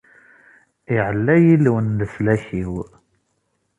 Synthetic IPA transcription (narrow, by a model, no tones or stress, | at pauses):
iʕəlːæjilwənləslæçiw